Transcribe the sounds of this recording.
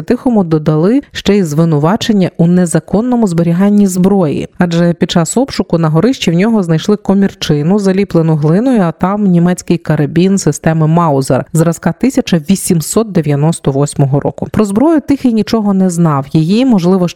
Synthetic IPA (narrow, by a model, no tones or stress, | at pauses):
t̪ɪxɔmʊd̪ɔd̪ɐlˠɪʃt͡ʃɛizʋɪnʊʋɑt͡ʃe̞nʲːɐʔunezɐkɔnːɔmʊzbɔɾʲiɦɑnʲːizbɾɔjḭɑd͡ʒɛpʲid̪̚t͡ʃɑsɔpʃʊkʊnɐɦɔɾɪʃt͡ʃiwnʲɔɦɔznɐjʃlˠɪkɔmʲirt͡ʃɪnʊzɐlʲiplˠenʊɦlˠɪnɔjʊɐt̪ɑmnʲimɛt͡sʲkɪjkɐɾɐbʲinsɪst̪ɛmɪmɑwzḛrzɾɐskɑt̪ɪsʲɐt͡ʃɐʋʲisʲimssɔt̪̚d̪eʋʲjɐnɔst̪ɔʋɔsʲmɔɦɔɾɔ̰kʊpɾɔzbɾɔjʊt̪ɪxinʲit͡ʃɔɦɔnɛznɑwjijimɔʒlˠɪʋɔ